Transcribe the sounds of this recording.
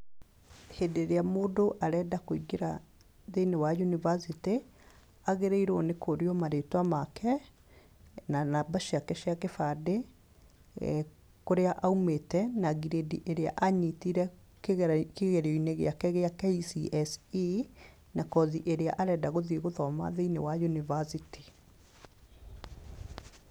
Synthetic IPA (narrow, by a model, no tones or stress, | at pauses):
hedeɾeamoːdoʔaɾɛːdakoiɡeɾa | ðenewajunivasite | aɣeɾeiɾɔnekoɾiɔmaɾetwamakʰɛ | nanabaʃiakɛʃeakefade | koɾeaʔaumetɛnaɣiɾediʔeɾea̰ʔaɲitiɾɛ | kkeɣɛɾeɔineɣḛakɛɣeakeisiʔɛsi | nakɔðiʔeɾea̰ʔaɾɛdaɣoðiɣoðɔma̰ðeinewajunivasiti̥